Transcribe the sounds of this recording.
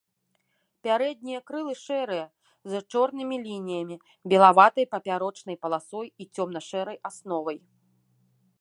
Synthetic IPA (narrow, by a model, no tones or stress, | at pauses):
pʲaɾɛd̪̚ʲnʲijɐkɾɨlˠɨʂɛɾɨjɐ | zat͡ʂɔrnɨmʲilʲinʲijɐmʲi | bʲɛlˠavat̪ɐjpɐpʲaɾɔt͡ʂnɐjpɐlˠasɔjit͡sʲɔmnɐʂɛɾɐjʔasnɔvɐj